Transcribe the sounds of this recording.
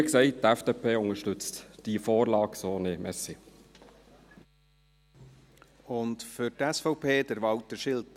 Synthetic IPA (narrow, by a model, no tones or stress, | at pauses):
ksɛɪt̚dɛfd̥eːpʰeːʊŋəʃtʏt͡std̥ifoːɾlɑːksoːnemɛsi | ʊntfʏɾtɛsfɔʊpʰeːdəɾʋɑwtəʃɪlt